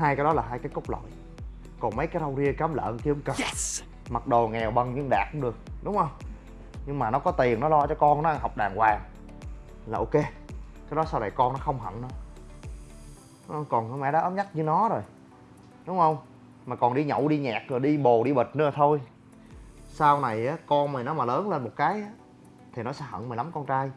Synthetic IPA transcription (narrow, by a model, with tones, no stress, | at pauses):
haː˧jkaː˨˦jɗɔ˨˦laː˨˩ɦaː˧jkaː˨˦jkə˦˥k͡p̚lo̰˧˨j | kɔ˨˩nmə˨˦jkaː˨˦jɗə˧wzi˧əkaː˨˦mlə̰ː˧˨˧nki˧əmkə˨˩ | ma˨˩t̚ɗo˨˩ŋɛ˨˩wɓə˨˩ŋɲɨ˧ŋɗa̰ː˨˩k̚ʊ˧˦ŋ͡mɗɨ˨˩ək̚ɗʊ˨˦ŋ͡mhə˧wŋ͡m | ɲɨ˧ŋmaː˨˩nɔ˨˦kɔ˨˦t̪i˨˩ə˩nɔ˨˦lɔ˧t͡ɕɔ˧kɔ˧nnɔ˨˦ʔa˧˩nhɦa˨˩wk͡p̚ɗaː˨˩ŋkwaː˨˩ | laː˨˩ʔo˧ke˧kaː˨˦jɗɔ˨˦sa˧wɗə˨˩jkɔ˧nɔ˨˦xə˧wŋ͡mɦə̰˧˩˨nnɔ˨˦ | ɗŋ͡mhə˧wŋ͡mkɔ˨˩nɨ˧˨mɛ̰˧˥ɗaː˨˦ʔəː˨˦mɲa˦˥t̚ɲɨ˧nɔ˨˦zo˨˩j | ɗʊ˨˦ŋ͡mhə˧wŋ͡m | maː˨˩kɔ˨˩nɗi˧ɲə̰˧˩˨wɗi˧ɲaː˨˩k̚zo˨˩jɗi˧ɓo˨˩ɗi˧ɓə˨˩t̚nɨ˧˨˩t̪ʰo˧j | saː˧wna˨˩jʔaː˨˦kɔ˧nmi˨˩nɔ˨˦maː˨˩ləː˨˦nle˧nmo˨˩t̚kaː˨˦jʔaː˨˦ | t̪ʰi˨˩nɔ˨˦sɛ̰˧˥ɦə̰˧˨nmi˨˩nla˨˦mkɔ˧nt͡ɕaː˧j